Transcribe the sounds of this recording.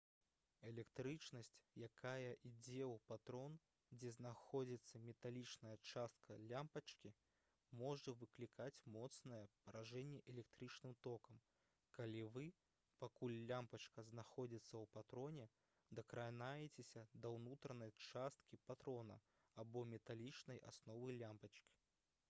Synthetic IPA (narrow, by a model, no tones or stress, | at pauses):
ɛlʲɛkt̪ɾɨt͡ʂnɐsʲt͡sʲjakajɐʔid͡zʲɛwpat̪ɾɔn | d͡zʲɛznaxɔd͡zʲit̪sːɐmʲɛt̪alʲit͡ʂnɐjɐt͡ʂast̪̚kʰɐlʲampɐt͡ʂkʲi | mɔʐɐvɨklʲikʰat͡sʲmɔt̪snɐjɛpɐɾaʐɛnʲːɛʔɛlʲɛk̚t̪ɾɨt͡ʂnɨmt̪ɔkɐm | kalʲivɨ | pakulʲlʲampɐt͡ʂkɐznaxɔd͡zʲit̪sːɐwpat̪ɾɔnʲɛ | d̪ɐkɾanajɛt͡sʲesʲɐd̪ɐwnut̪ɾɐnɐjt͡ʂast̪̚kʲipat̪ɾɔnɐ̰ | abɔmʲɛt̪alʲit͡ʂnɐja̰snɔvɨlʲampɐt͡ʂkʲi̥